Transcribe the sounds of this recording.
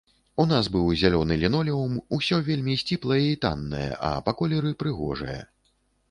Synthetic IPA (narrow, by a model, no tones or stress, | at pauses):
un̪asbɨwzʲalʲɔnɨlʲinɔlʲɛumusʲɔvʲelʲmʲisʲt͡sʲiplˠɐjɐit̪a̰nːɐ̰jɐ̰ʔɐ̰pakɔlʲɛɾɨpɾɨɣɔ̰ʐɨ̰jɐ̰